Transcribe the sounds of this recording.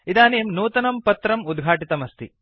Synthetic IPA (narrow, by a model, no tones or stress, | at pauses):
id̪aːneːmnuːt̪ɐnɐmpɐt̪ɾɐmud̪ɡʱaːʈit̪ɐmɐst̪ḭ